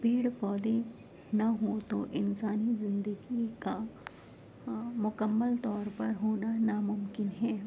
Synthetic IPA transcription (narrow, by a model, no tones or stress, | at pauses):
beːɽpɔːd̪e | naɦot̪oʔɪnsaːnizɪ̃nd̪əɡika | mʊkəmːəlt̪ɔːɾpɐɾɦoːnanamʊmkɪnɦɛː